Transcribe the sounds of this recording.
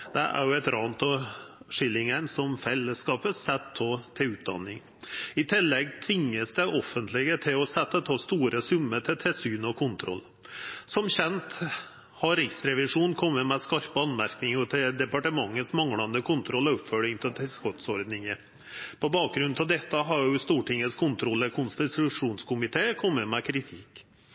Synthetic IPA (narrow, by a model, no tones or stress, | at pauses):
d̪̥ɛ̰ʔæ̰ɾjʊɛt̪ɾɑːnt̪ɔʂɪlːɪŋənsɔmfɛlːəskɑːpəsɛt̪ʰːoːt̪ʰɪʉːt̪̚d̪ɑ̰nːɪŋ | ɪt̪ʰɪlːɛɡt̪ʰʋɪŋːəsd̪ɛʔɔfːənt̪lɪɡət̪ʰɪlɔsɛt̪ːət̪ʰɑːst̪uːɾəsʉmːəʈ̪ʰɪlt̪ʰɛlsyːnɔkʰʊnt̪ʰɾɔ̰lː | sɔmɕɛnt̪ | hɑɾɪksɾɛʋɪʂuːnkʰɔmːəmɛskɑɾpəɑnmæɾknɪŋɔt̪ʰɪd̪ɛpɑʈəmɑŋːəsmɑŋɽɑnd̪əkʰʊnt̪ʰɾɔlːɔɔpfœɭɪŋt̪ʰɪlt̪ʰɪskɔt̪sɔɾd̪nɪŋə | pʰɔbɑːk̚ɡɾʉnɑʋd̪ɛt̪ːəɦɑɾjʊst̪uːʈɪŋːəskʰʊnt̪ʰɾɔlːəkʰʊnst̪ɪʉʂuːnskʰʊmɪt̪ʰeːkʰɔmːəmɛkʰɾɪt̪ʰɪk